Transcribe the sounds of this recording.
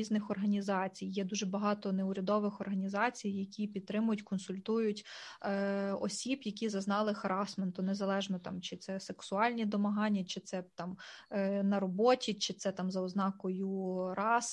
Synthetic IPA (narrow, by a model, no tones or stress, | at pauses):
iznɪxɔrɦɐnʲizɑt͡sʲijjɛd̪uʒɛbɐɦɑt̪ɔneʊɾʲɐd̪ɔʋɪxɔrɦɐnʲizɑt͡sʲijːɐkʲipʲid̪̚t̪ɾɪmʊjʊtʲkɔnsʊlʲt̪ujʊtʲː | ɔ̰sʲibjɐkʲizɐznɑlˠɪxɐɾɑsment̪ʊnezɐlˠɛʒnɔt̪ɑmt͡ʃɪt̪sɛseksʊɑlʲnʲid̪ɔmɐɦɑnʲːɐt͡ʃɪt̪sɛt̪ɑm | nɐɾɔbɔtʲit͡ʃɪt̪sɛt̪ɑmzɐʊznɑkɔjʊɾɑs